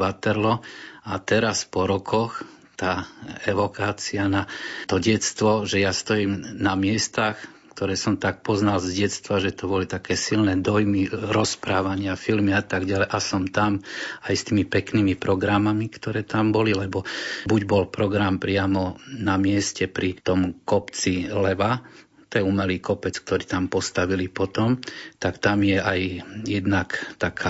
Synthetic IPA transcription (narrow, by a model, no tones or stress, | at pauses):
ʋat̪ɛɾlɔat̪ɛɾaspɔɾɔkɔx | t̪aːɛʋɔkaːt͡sianat̪ɔɟɛt͡st̪ʋɔʒɛjast̪ɔjiːmnamɪɛst̪ax | kt̪ɔɾɛːsɔmt̪ak̚pɔznalzɟɛst̪ʋaʒɛt̪ɔbɔlit̪akɛːsilnɛd̪ɔjmiɾɔspɾaːʋaɲɪafilmiat̪aɡɟalɛʔasɔmt̪amajst̪iːmipɛknimipɾɔɡɾamamikt̪ɔɾɛːt̪ambɔlilɛbɔbuɟbɔlpɾɔɡɾampɾɪamɔnamɪɛscɛpɾit̪ɔmkɔpt͡silɛʋa | t̪ɔjɛuːmɛliːkɔpɛt͡sk̚t̪ɔɾiːt̪ampɔst̪aʋilipɔt̪ɔmt̪akt̪amjɛajjɛd̪nakt̪akʰa